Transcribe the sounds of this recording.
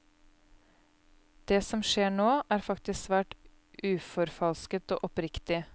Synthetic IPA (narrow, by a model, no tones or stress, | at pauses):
d̪̥eːsɔmʃeːɳoːʔæːɾfɑkt̪ɪssʋæːʈ | ʔʉːfɔɾfɑlskət̪o̰ːʔɔpɾɪkt̪ɪ